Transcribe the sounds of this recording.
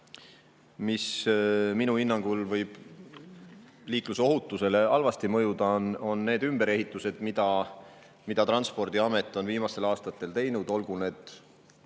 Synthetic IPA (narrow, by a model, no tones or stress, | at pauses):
misminuhinːɑŋɡ̥ulvɤjb̥ | liːkluseoɦut̪ˑːuse̞le̞ɑlvɑst̪imɤjud̪̥ɑno̞nːe̞ːd̪ymb̥e̞ɾe̞ɦit̪ːˑuse̞d̪̥mid̪̥ɑ | mid̪̥ɑt̪rɑnspo̞rd̪iɑme̞t̪ːˑo̞nviːmɑst̪e̞lɑːst̪ɑt̪ːˑe̞lt̪e̞jnud̪̥o̞lɡ̥une̞ːd̪̥